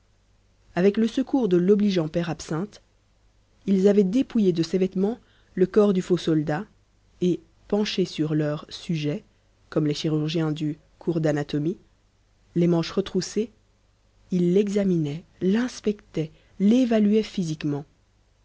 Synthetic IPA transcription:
avɛkləsəkuʁd̪əlɔbliʒɑ̃pɛʁapsɛ̃t̪ | ilzavɛd̪epujed̪əsevɛt̪mɑ̃ | ləkɔʁd̪yfosɔld̪a | e | pɑ̃ʃesyʁlœʁsyʒɛ | kɔmleʃiʁyʁʒjɛ̃d̪y | kʰuʁd̪anat̪ɔmi | lemɑ̃ʃʁət̪χuse | ilːɛɡzaminɛlɛ̃spɛkt̪ɛ | levalɥɛfizikmɑ̃

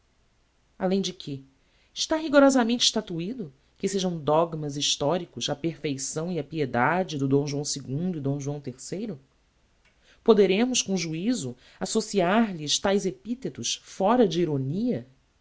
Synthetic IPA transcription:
alẽj̃d͡ʒɪkʰɪ | ɪʃt̪aɦiɡoɾɔzɐmẽnt͡ʃɪ̥ʃt̪at̪uid̪ʊ | kɪseʒɐ̃w̃d̪ɔɡmɐziʃt̪ɔɾikʊzɐpeɾfejsɐ̃w̃iɐpied̪ad͡ʒɪd̪ʊd̪õw̃ʒuɐ̃w̃sɪɡũnd̪ʊid̪õw̃ʒuɐ̃w̃t̪eɾsejɾʊ | pod̪eɾẽmʊskõʒuizʊ | asosiaɾlɪʃt̪ajzepit̪et̪ʊʃfɔɾɐd͡ʒɪiɾoniɐ

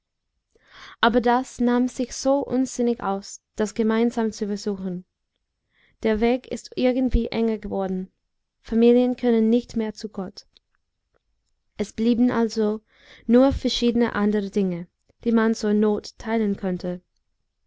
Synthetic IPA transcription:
ʔaːbɐdasnaːmz̥ɪçz̥oːʔʊ̰nz̥ɪnɪɡʔa̰ʊsd̥asɡ̥əmaɪnzaːmt͡sufɛɐzuːxn̩ | d̥eːɐveːkɪ̰stʔɪɐɡn̩tv̥iːʔɛ̰ŋɐɡəvɔɐdn̩ | famiːljənkʰœnənːɪçtmeːɐt͡suɡɔt | ʔɛsb̥liːbn̩ʔalzo | nuːɐfɛɐʃiːdənə̰ʔandəʁədɪŋə | d̥iːmant͡suːɐnoːtʰːaɪlənkʰœntʰə

